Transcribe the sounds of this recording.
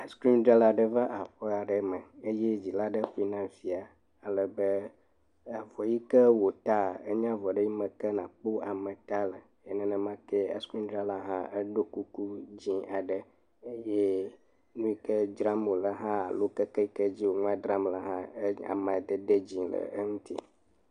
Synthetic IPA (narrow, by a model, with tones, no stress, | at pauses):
a˦skɾi˦ndɾa˦la˨ɖə˦və˦ʔa˨ɸɔ˦a˨ɖə˨mə˨e˦je˦d͡ʑi˨la˦ɖə˦ɸu˦i˦nã˦fi˨a˨ | a˨lə˨bə˦ | a˨vɔ˨ji˦kə˦wo˨t̪a˦˨ə˦ɲã˦vɔ˨ɖə˦ji˦mə̃˨kə˦nã˨k͡po˦a˨mə̃˨t̪a˦lə˨ | ɛ˨nɛ̃˦nɛ̃˨mã˦kɛ˦ɛ̰˦skĩ˦ndɾa˦la˦ɦã˦ʔə˦ɖo˦ku˦ku˦d͡ʑĩ˦a˨ɖə˨ | e˦je˦ | nũ˦i˦kə˦d͡ʒɾa˦mo˨lə˨ɦã˦a˨lo˦kə˦kɛ˦i˦kə˦d͡ʑi˦wo˨ŋũ˦a˦d̪ɾa˦mla˦ɦã˦ə˦a̰˨mã˨d̪ə˦d̪ə˦d͡ʑĩ˨lə̰˨ə˦ŋũ˦t̪ḭ˦